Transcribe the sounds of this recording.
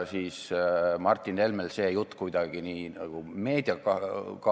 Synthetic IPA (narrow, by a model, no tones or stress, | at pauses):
siːsmɑrt̪ʲːˑine̞lmelse̞ːjut̪ːˑkujd̪̥ɑɡ̥iniːnɑ̰ɡ̥ume̞ːd̪̥iɑkɑkɑ